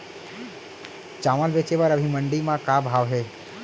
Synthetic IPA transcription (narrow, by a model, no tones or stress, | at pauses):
t͡ʃaːməlbeːt͡ʃepəɾɐbʱimɐ̃ɳɖimãkaːbʱaːʋɦɛː